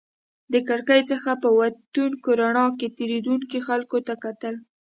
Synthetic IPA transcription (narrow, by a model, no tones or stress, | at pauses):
d̪əkaɽkajt͡səxapəwat̪unkoɾanɑket̪eɾed̪uŋkixalkot̪akat̪əl